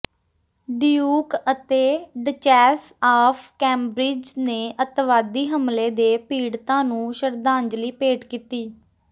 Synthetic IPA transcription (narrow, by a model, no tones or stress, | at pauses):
ɖijuːkət̪eːɖət͡ʃɛːsaːfʰkɛ̃ːmbɾɪd͡ʒneːʔət̪ʋaːd̪iːɦəmleːd̪eːpiːɽt̪ãːnũːʃəɾd̪ãːɲd͡ʒliːpeːʈkiːt̪iː